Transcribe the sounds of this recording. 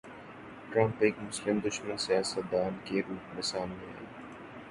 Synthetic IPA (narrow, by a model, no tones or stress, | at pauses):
ʈɾãːɳpɪːkmʊslɪmd̪ʊʃmənsijaːsət̪̚d̪aːnkeɾuːpnɪsaːnmeɦḛ̃ː